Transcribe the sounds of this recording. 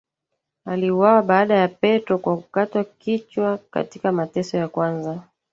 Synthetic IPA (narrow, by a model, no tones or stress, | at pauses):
aliuwawaɓaːɗajapɛtɔkwakukatwakit͡ʃwaka̰tikamatɛsɔjakwanza